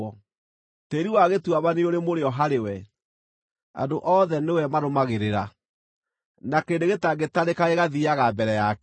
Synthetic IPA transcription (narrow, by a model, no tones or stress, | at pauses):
ɔ | teːɾiwaɣetwaβaneoɾemoɾeɔɦaɾewɛ | a̰ndoʔɔðɛnewɛmaɾomaɣeɾeɾa | nakeːdeɣetaɡetaɾekaeɣaðiaɣabɛɾɛjak